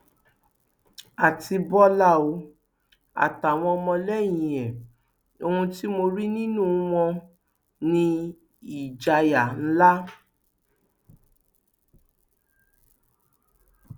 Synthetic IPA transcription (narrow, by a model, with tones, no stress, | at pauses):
a˨ti˧bɔ˦la˦˨o˧ | a̰˨ta˨w̃ɔ̃˧ɔ˧mɔ̃˧lɛ˦˨j̃ĩ˨ɛ˨ | o˧hũ˧ti˦mo˧ɾi˦nĩ˦nũ˦˨w̃ɔ̃˧ | nĩ˧ | i˨d͡ʒa˧ja˨n̩˦la˦